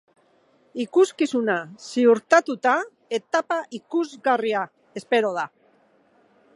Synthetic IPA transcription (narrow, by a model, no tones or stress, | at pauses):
ikuskisunasiuɾt̪at̪ut̪a | e̞t̪apaʔikuzɣaria | espe̞ɾo̞ð̞a